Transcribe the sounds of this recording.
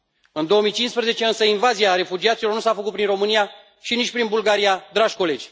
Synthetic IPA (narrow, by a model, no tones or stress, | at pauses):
ɨnd̪o̞omijt͡ʃinspɾezet͡ʃe̞ɨnsəinvaziaɾe̞fud͡ʒiat̪silo̞rnusafəkut̪̚pɾinro̞mɨnia | ʃinit͡ʃʲpɾinbulɡaɾijad̪ɾaʒʲko̞le̞d͡ʒʲ